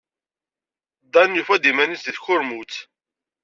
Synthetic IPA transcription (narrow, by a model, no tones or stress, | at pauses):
d̪ænjufæd̪imænisðiθçʊɾmut͡s